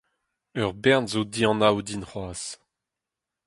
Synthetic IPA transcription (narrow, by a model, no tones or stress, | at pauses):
œʁbɛʁnzod̪iɑ̃nawd̪inχwaːs